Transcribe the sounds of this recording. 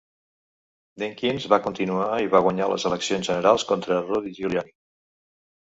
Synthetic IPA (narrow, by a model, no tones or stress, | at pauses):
d̪eŋkinzβakunt̪inuaiβaɣwəɲalə̰zələksionzʒənəɾalˠskɔnt̪ɾəroðiʒuljani